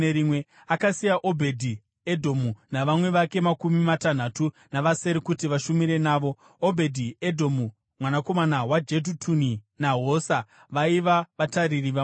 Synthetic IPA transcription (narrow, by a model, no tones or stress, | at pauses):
eɾimwe̞ | akasijaʔobʱe̞dʱi | edʱo̞munaʋamwe̞ʋake̞makumimatan̤atu | naʋase̞ɾekutiʋaʃumiɾe̞naːʋo̞ː | bʱe̞dʱiedʱo̞mu | mwanako̞manawad͡ʒe̞d̬utʰuni | naɦo̞sa | ʋaiʋaʋataririʋa